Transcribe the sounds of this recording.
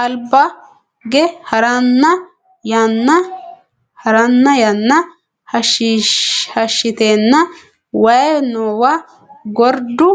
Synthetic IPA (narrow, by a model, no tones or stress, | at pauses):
ʔɐlbɐ | ɡɛhɐɾɐnːɐ | jɐnːɐ | hɐɾɐnːɐjɐnːɐ | hɐʃ | hɐʃːɪt̪eːnːɐ | wɐjnoːwɐ | ɡɔɾd̪ʊ